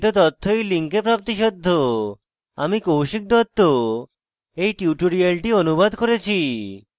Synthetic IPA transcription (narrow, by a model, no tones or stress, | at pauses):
t̪ot̪ɔt̪ʰːojliŋkepɾap̚t̪iʃɔd̪ʱːo | a̰mikowʃik̚d̪ɔt̪ːo | ejʈuʈoɾialʈionubad̪ʱkoɾet͡ɕʰi